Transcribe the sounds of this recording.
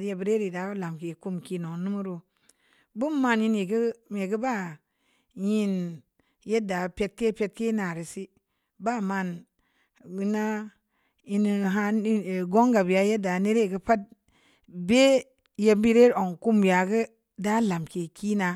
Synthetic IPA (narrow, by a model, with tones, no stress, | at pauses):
je˨bi˦ɾe˦ɾi˨da˨˦la˨mke˨ku˦mki˦no˨ŋnu˦mu˦ɾu˨ | bu˦mːa˦˨nji˦ni˨ɡə˦me˨ɡə˦ba˦˨ | ji˦n | je˦da˨pe˦t̚ke˦pe˦t̚ke˦na˨ɾi˨si˦ | ba˦˨ma˦˨n | wi˦na˦ | i˦n˨ɦa˦˨ɡo˦ŋɡa˨bi˨ja˨˦je˦da˨˦ne˦ɾe˦˨ɡə˦pa˦t̚ | be˦ | je˨mbi˦ɾe˦ɾo˨ŋku˦mbi˨ja˨ɡə˦ | da˦la˨mke˨ki˦na˨